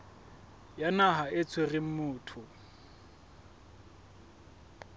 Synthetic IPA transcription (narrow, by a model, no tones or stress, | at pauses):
janaɦaet͡sʰwerɪm̩mʊːtʰʊ